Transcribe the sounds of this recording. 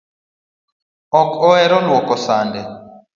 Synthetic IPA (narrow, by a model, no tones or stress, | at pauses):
ɔkɔɛɾɔlwɔkɔsaːndɛ